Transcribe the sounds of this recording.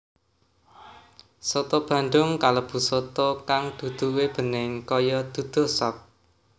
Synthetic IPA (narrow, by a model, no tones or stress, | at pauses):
sot̪ob̥ä̤nd̪ʊŋkalɔb̥ṳsot̪ɔkaŋd̪̥ṳd̪̥ṳweb̥ə̤nɪŋkɔjɔd̪̥ṳd̪̥o̤sɔp̚